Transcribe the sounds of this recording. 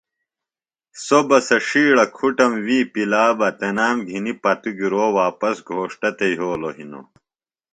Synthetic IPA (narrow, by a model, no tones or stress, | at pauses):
sobɐsɐʂiːɭɐkʰuʈɐmwiːpilaːbɐt̪enaːmɡʱinipɐt̪uɡiɾoːwaːpɐsɡʱoːʂʈɐt̪eiɦoːloɦino̰